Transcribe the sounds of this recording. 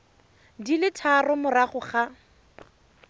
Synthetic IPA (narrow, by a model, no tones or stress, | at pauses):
dilɪtʰarʊmʊraχʊχa